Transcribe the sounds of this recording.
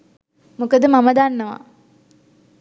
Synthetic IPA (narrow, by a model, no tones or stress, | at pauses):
mukəd̪əmaməd̪anːəʋa̰